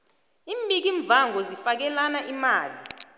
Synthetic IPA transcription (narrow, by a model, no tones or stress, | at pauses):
iːmɓik̬iɱb̪vʱaŋɔzifak̬ɛlanaʔimaːli